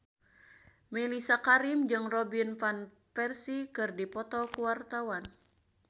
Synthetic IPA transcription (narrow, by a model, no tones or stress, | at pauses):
mɛlisakaɾimd͡ʒɨŋrɔbinfan | fɛrsikɨrdipɔt̪ɔkuwart̪awan